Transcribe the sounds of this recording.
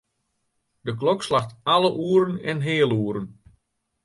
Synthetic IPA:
dək̬lɔkslaxtaləʔuːəɾənɛnɦɪːlˠuːəɾən

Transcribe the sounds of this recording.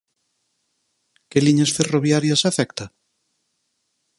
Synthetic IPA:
keliɲasferoβjaɾjɐsafɛkt̪a

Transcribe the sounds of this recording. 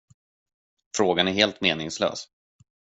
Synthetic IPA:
fɾoːɡanæɾɦeːlt̪meːnɪŋslø̰ːs

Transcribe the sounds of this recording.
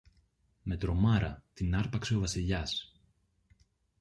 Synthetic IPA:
me̞t̪ɾo̞mɐɾɐ̰t̪inɐɾpɐkse̞o̞vɐsiʎɐs

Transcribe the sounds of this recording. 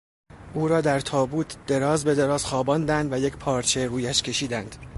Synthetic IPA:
ʔuːɾɒːd̪æɾt̪ʰɒːbuːt̪ʰd̪̥e̞ɾɒːzbe̞d̪e̞ɾɒːz̥xɒːbɒːnd̪ænd̪væjecʰpʰɒːɾt͡ʃʰe̞ruːjæʃcʰʲe̞ʃiːd̪ænd̪̥

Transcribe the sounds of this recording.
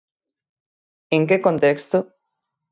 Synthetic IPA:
eŋkekõnt̪ekst̪o

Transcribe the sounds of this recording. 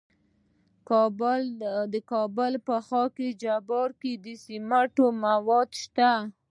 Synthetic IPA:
kbld̪əkɑbəlpəxɑked͡ʒabɑɾked̪əsimaʈomawɑd̪ʃt̪a

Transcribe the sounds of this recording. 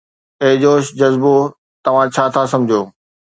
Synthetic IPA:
eɦd͡ʑoːʃd͡ʑɐzbo | t̪ɐʋ̤ãt͡ɕʰaːt̪ʰasɐ̃md͡ʑʱioː

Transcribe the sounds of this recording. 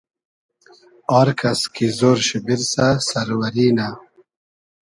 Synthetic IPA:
ɑːɾkɐskizoːɾɕibiɾsasɐɾwɐɾiːna

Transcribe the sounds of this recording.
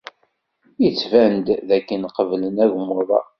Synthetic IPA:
jət͡sːvænd̪ðækːənqəvlənæɡmoðˤɑ̰

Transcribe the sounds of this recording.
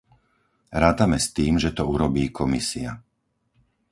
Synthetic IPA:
ɾaːt̪amɛst̪iːmʒɛt̪ɔuɾɔbiːkʰɔmisia

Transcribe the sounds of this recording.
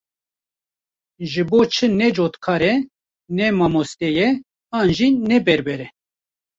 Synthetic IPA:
ʒɨboːt͡ʃʰɨnɛd͡ʒoːt̪kʰɑːɾɛ | nɛmɑːmost̪ɛjɛ | ɑːnʒinɛbɛɾbɛɾɛ

